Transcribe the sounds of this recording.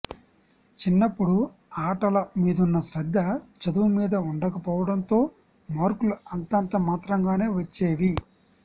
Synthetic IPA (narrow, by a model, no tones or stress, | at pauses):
t͡ʃinːɐpːuɽu | aːʈɐlɐmiːd̪unːɐʃɾɐd̪ʱːɐt͡ʃɐd̪umiːd̪ɐuɳɖɐkɐpɔːʋɐɽɐnt̪o̞ː | maːɾkuluɐnt̪ɐnt̪ɐmaːt̪ɾɐŋɡaːne̞ːʋɐt͡ʃːeːʋi